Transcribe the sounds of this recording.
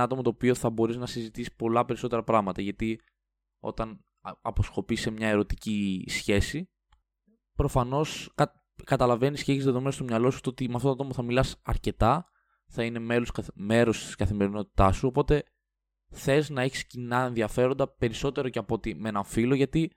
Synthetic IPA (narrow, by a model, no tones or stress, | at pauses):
ɐt̪o̞mɐt̪oːpio̞θɐbo̞ɾiznɐsizit̪isi̥po̞lɐpeɾiso̞t̪e̞ɾɐpɾɐɣmɐt̪ɐʝɐt̪i | o̞̰t̪ɐn | ɐpo̞sxo̞pisemɲɐe̞ɾo̞t̪icisçe̞si | pɾo̞fɐno̞skɐ | kɐt̪ɐlɐve̞nisceçizðe̞ðoe̞nost̪o̞mɲɐlo̞su̥t̪oot̪imeɐft̪ot̪oaɐt̪omɐθɐmilɐsɐɾce̞t̪ɐ | θɐine̞meɾoskɐme̞ɾo̞st̪i̥skɐθime̞ɾino̞t̪i̥t̪ɐsuo̞po̞t̪e̞ | θe̞znɐe̞çi̥scinɐe̞nðiɐfe̞ɾond̪ɐpe̞ɾiso̞t̪e̞ɾo̞ceɐpo̞t̪imenɐɱfilo̞ʝɐt̪i